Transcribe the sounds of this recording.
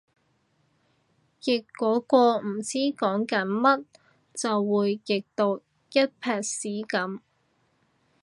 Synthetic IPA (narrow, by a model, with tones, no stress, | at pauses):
jɪ˨˩kːɔː˨˥kɔː˧m̩˨˩t͡siː˥kɔː˨˥ŋkɐ˨˥nmɐ˥t̚ | t͡sɐ˨wːuː˨˧jkɪ˨k̚t̪o˨˧w | jɐ˥t̚pʰɛː˨˧k̚siː˨˥kɐ˨˥m